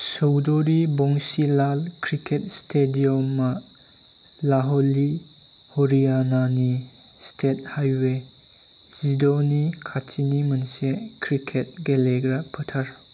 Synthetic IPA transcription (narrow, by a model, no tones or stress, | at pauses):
sowdoɾibɔŋsilalkʰɾikʰet̚stʰediɔmːɐ | laɦɔlihoɾijananistʰet̚hajwe | z̥idonikʰatʰinimɐnsekʰɾikʰet̚ɡeleɡɾapʰətʰɐɾ